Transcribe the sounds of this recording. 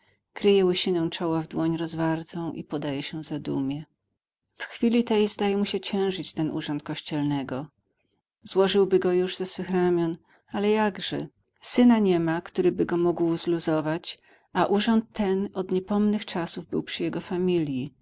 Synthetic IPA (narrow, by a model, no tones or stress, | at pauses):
kɾɘjɛwɪɕinɛw̃t͡ʂɔwavd̪wɔɲɾɔzvaɾt̪ɔ̃w̃ʔḭpɔd̪ajɛɕɛzad̪ṵmʲjɛ | fxfʲilʲit̪ɛjzd̪ajɛmuɕɛt͡ɕɛ̃w̃ʐɘt͡ɕt̪ɛnʔṵʐɔnt̪̚kɔɕt͡ɕɛlnɛɡɔ | zwɔʐɘwbɘɡɔjuʐzɛsfɘxɾamʲjɔn | alɛjaɡʐɛ̰ | sɘnaɲɛmakt̪uɾɘbɘɡɔmuɡwzluzɔvat͡ɕ | aʔuʐɔnt̪ːɛnɔd̪ɲɛpɔmnɘxt͡ʂasuvbɘwpʂɘjɛɡɔfamʲilʲji